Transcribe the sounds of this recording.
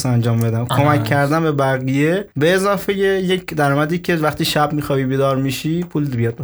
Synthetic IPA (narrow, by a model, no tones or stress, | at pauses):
sænd͡ʒɒːmbe̞d̪æmkʰo̞mækʰːæɾd̪æmbebæɣijebeːzɒːfejejecʰd̪æɾɒːmæd̪iːcʲʰevæχt̪iːʃæbmiːxɒːbiːbiːd̪ɒːɾmiːʃiːpʰuːlbijɒːd̪̚be